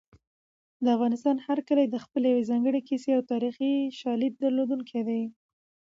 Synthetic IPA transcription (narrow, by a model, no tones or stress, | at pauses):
d̪əafɣɑnɪst̪ɑnhaɾkəled̪əxpəlejawezɑŋɡəɽekiseawt̪ɑɾixiʃɑlib̚d̪əɾlod̪uŋkʰed̪aj